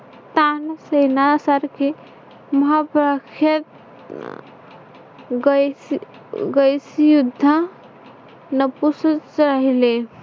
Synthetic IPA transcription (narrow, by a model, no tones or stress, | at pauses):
t̪ansəjnasəɾke | məɦapɾəkʰjət̪̚ | ɡ | ɡəjsjud̪ʱːə | nəpust͡ʃɾəɦile